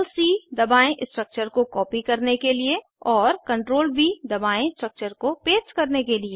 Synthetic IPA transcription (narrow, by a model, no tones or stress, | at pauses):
lsiːd̪ɐbaːẽʔɪsʈɾək̚t͡ʃəɾkokɔːpikɐɾnekelie | ɔːɾkɐ̃ɳʈɾoːlbʱid̪ɐbaːẽɪsʈɾək̚t͡ʃəɾkopeːt͡ʃkɐɾnekelieː